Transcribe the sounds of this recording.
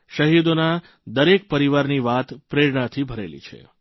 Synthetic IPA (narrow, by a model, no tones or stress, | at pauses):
ʃəɦid̪ona | d̪əɾek̚pəɾiʋaɾniʋat̪pɾeɽɳat̪ʰibʱəɾḛlḭt͡ʃʰḛ